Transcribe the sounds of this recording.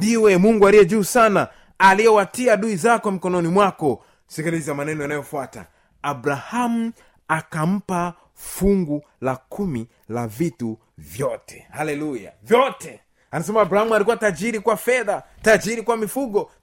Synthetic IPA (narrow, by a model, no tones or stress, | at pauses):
ndiwɛmuŋɡualijɛʄuːsana | alijɛwatiaɗuizakɔm̩kɔnɔnimwakɔ | sikiliziamanɛnɔjanajɔfwata̰ | abɾaham̩ | akam̩pa | fuŋɡu | lakʰumi | lavitu | vjɔtɛ̥halɛluja̰vjɔtɛ | anas̬ɛmaːbɾahamualikuwatad͡ʒiɾikwafɛðatad͡ʒiɾikwamifuɠɔ